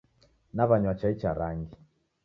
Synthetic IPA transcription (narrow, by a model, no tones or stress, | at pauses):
naβaɲwat͡ʃait͡ʃaɾaŋɡi